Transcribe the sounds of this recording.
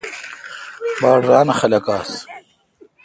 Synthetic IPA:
baːɽɾaːnɐxɐlɐkaːs

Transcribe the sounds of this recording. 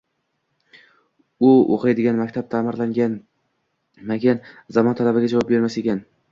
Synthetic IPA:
ʊo̰qajd̪ɪɡʲanmakʲt̪ʰap̚t̪ʰaːmɪɾlaŋɡʲan | makʲʰanzamɒnt̪ʰalabɪɡʲad͡ʒavɒp̚be̞ɾmasekʲan

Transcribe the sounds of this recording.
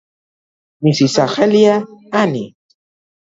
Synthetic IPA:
misisaxeljaanḭ

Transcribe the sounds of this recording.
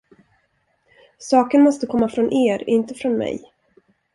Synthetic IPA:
sɑːkənmɔst̪əkʰɔmːafɾɔnʔeːɾɪnt̪əfɾɔnmɛ̰j

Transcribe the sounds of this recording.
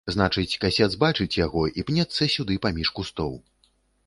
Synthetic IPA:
znat͡ʂɨt͡sʲkasʲɛd̪zbat͡ʂɨt͡sʲjaɣɔʔipnʲɛt̪sːɐsʲud̪ɨpamʲiʂkust̪ɔw

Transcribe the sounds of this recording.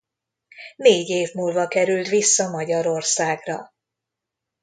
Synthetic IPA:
neːɟeːvmuːlvɒkɛɾylt̪ʋisːɒmɒɟɒɾo̞rsaːɡrɒ̰

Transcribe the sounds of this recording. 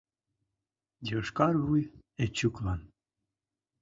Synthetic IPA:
d̪ʲiəʃkɑrβujet͡ɕːuklɑn

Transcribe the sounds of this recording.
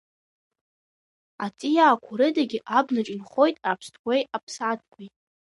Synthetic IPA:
atʼijaːkʷʰʊɾɨdaɡʲiʔabnaʈ͡ʂʼɪnχo̞jtʼapʰstʰɡʷejapʰsat̚ʰʼkʷʰajtʼ

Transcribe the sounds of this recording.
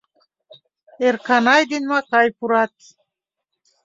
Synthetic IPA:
eɾkʰanajd̪inmakʰajpʰuɾat̪̚ʰ

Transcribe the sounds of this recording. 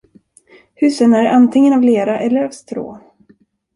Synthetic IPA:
hʉ̟ːsənæɾant̪ʰɪŋːənavleːɾaʔɛlːəɾavst̪ɾo̰ː

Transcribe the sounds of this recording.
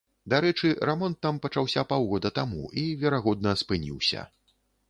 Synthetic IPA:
d̪aɾɛt͡ʂɨɾɛmɔnt̪ːampɐt͡ʂawsʲapawɣɔd̪ɐt̪amṵʔivʲɛɾaɣɔd̪nɐspɨnʲḭwsʲɐ̰

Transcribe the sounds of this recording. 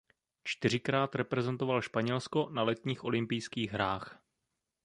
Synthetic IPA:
t͡ʃt̪ɪr̝ɪkɾaːt̪ɾɛpɾɛzɛnt̪o̞valʃpaɲɛlsko̞nalɛt̪ɲiːxʔo̞lɪmpɪjskiːɣɦɾaːx

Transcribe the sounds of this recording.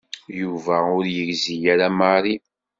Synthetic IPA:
juvæʊɾjəɡzijæɾamaɾi

